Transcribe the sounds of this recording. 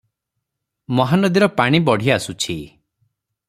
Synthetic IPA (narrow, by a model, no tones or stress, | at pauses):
mɔɦanɔd̪iɾɔpaɽ̃ibɔɽ̤iasut͡ʃʰi